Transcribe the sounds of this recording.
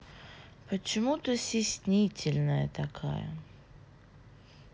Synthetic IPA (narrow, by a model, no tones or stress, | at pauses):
pət͡ɕɪmut̪əsʲɪsʲnʲitʲɪlʲnəjət̪ɐkʰa̰jə̰